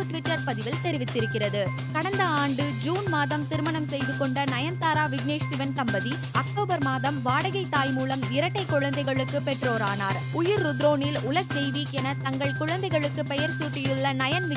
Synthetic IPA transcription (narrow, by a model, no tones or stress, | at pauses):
ʈʋɪʈːɐɾpɐðɪʋɪlt̪ɛɾɪʋɪt̪ːɪɾɯkːɪrɐðɯ | kɐɽɐnd̪ɐaːɳɖɯd͡ʒuːnmaːðɐmt̪ɪɾɯmɐɳɐmsɛjðɯkːɔɳɖɐnɐjɐnt̪aːɾaːʋɪɡneːʂsɪʋɐnt̪ɐmbɐði | ɐk̚ʈoːbɐɾmaːðɐmʋaːɽɐɣɐɪt̪ːaːjmuːlɐmɪɾɐʈːɐɪkːʊɻɐnd̪ɐɪɣɐɭɯkːɯpɛʈroːɾaːna̰ːɾ | ʊjɪɾːʊd̪ɾoːnɪlʊlɐɣsɛjʋiːkɛnɐt̪ɐŋɡɐɭkʊɻɐnd̪ɐɪɣɐɭɯkːɯpɛjɐɾsuːʈːɪjʊɭːɐnɐjɐnʋɪ